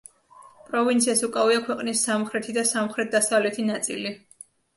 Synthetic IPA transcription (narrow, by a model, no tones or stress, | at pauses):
pʼɾɔvint̪sʰiasukʼaviakʰwɛqʼnisːamχɾɛt̪ʰid̪asamχɾɛt̪̚d̪asavlɛt̪ʰinat̪sʼḭli